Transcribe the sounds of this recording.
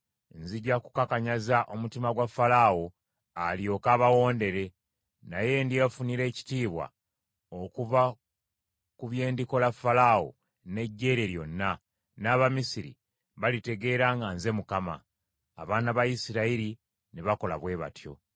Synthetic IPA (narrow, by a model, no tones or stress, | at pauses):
nziɟakukakaɲazaʔo̞mutimaɡwafːalaːwo̞ | alijo̞ːkaːβawo̞ːnde̞ɾe̞ | naje̞ndiafuniɾe̞ːci̥tiːβwa̰ | okuva | kuβje̞ːndiko̞lafːalawo̞̰ | ne̞ɟːe̞ɾe̞ɾjo̞̰nːa | naːβamisiɾḭ | βalite̞ɡe̞ːɾaːŋɡanze̞mukama̰ː | βaːnaβajisiɾaiɾi | neβako̞la̰βwe̞ːβa̰tjo̞̰